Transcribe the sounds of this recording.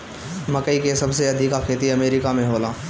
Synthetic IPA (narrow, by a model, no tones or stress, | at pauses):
mɐkəikesɐbseɐd̪ʱɪkakʰeːt̪iɐmeːɾɪkamẽɦoːlaː